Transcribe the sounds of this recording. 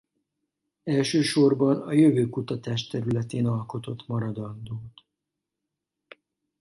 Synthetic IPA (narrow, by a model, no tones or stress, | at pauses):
ɛlʃøːʃo̞rbɒnɒjøvøːkut̪ɒt̪aːʃt̪ɛɾylɛt̪eːnɒlko̞t̪o̞t̪mɒɾɒd̪ɒnd̪oːt̪